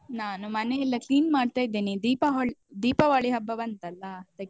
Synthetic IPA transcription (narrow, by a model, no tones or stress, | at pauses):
naːnumɐneilːɐkliːnmaːɖt̪aːjd̪ːeːnid̪iːpɐɦɐɭd̪iːpɐʋaːɭiɦɐbːɐbɐnt̪ɐlːɐd̪̥ɐɡ